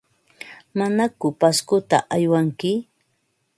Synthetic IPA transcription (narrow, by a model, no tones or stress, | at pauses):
manakʊpaskʊt̪a̰ʔajwaŋkɪ